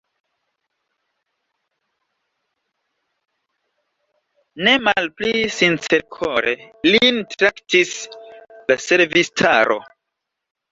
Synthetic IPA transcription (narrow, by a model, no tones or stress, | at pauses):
ne̞malplisint͡seɾkʰoɾʔḛ | lintɾaktis | lase̞ɾvistʰa̰ɾʔo̞̰